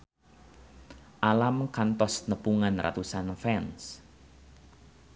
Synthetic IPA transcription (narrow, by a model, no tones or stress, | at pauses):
ʔalamkant̪ɔsnəpuŋanra̰t̪usanfɛns